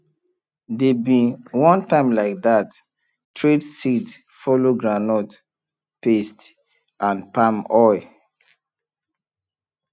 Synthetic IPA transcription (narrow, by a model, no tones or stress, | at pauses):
debĩwɔ̃ntãɪ̃mlaɪk̚ðat | tʰɹedsid | fɔloɡɹanɔt | pest | ʔãnpãmɔj